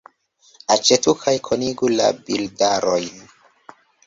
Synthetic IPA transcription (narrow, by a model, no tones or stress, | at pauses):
at͡ʃetukʰajkʰoniɡula̰bildaɾojn